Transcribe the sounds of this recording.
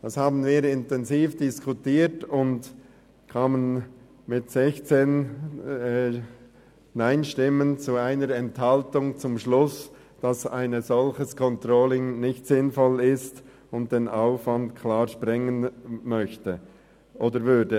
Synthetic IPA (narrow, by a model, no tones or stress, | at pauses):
d̥ɑshaːbn̩viːɾɪntɛnziːfd̥ɪskʰutiːtʊnd | kʰaːmən | mɪtsɛçt͡seːn | naɪnʃtɪmənt͡suaɪnəɾɛnthɑltʊŋt͡sʊmʃlʊs | d̥ɑsa̰ɪnəzɔlçəskʰɔntroːlɪŋnɪçtsɪnfɔlɪst | ʊnt̚d̥eːnaʊfvɑntkʰlaːʃpʁɪŋənmœçtə | ʔoːdəɾvʏdə